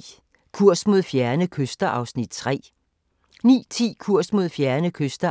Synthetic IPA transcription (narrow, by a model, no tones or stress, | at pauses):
kʰuɐ̰smo̝ð̞̰ˠfjæɐnəkʰøsd̥ɐʔɑ̈ʊsnid̥̚t͡sʰʁɛ̰ː | nḭːt͡sʰḭːkʰuɐ̰smo̝ð̞̰ˠfjæɐnəkʰøsd̥ɐ